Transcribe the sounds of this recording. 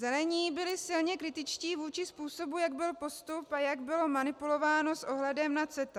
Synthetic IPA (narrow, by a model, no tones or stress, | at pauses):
zɛlɛɲiːbɪlɪsɪlɲɛkɾɪt̪ɪt͡ʃciːvuːt͡ʃɪspuːso̞bujaɡbɪlpo̞st̪upajaɡbɪlo̞manɪpulo̞vaːno̞sʔo̞ɦlɛdɛmnat͡sɛt̪a